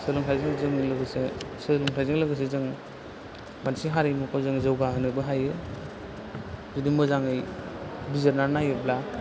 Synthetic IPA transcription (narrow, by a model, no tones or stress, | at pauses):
sɯlɔŋtʰajzɯŋzɯŋilɯɡɯsesɯlɔŋtʰajzɯŋlaɡɯs̬ezɯŋ | mansiɦaɾɯjmukʰɔzɯŋzɯwɡaɦɯnɯbɯɦajɯ | zudimɔzaŋɯjbizaɾnaɾnajɯbla